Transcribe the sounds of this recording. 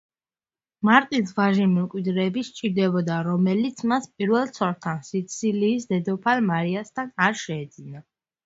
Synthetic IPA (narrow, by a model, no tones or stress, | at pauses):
maɾt̪ʼis̬vaʒimɛmkʼwid̪ɾɛːbiʃt͡ʃʼiɾd̪ɛbɔd̪aɾɔmɛlit̪sʰmaspʼiɾvɛlˠt̪sʰɔɾt̪ʰansit̪sʰiliːsd̪ɛd̪ɔpʰalmaɾiast̪ʰanaɾʃɛːd̪zina